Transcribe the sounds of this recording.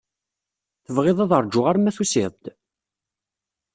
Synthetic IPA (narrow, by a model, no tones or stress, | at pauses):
θəvʁɪðˤɑðˤəɾˤd͡ʒʊʁaɾmæθusɪðˤd̪̥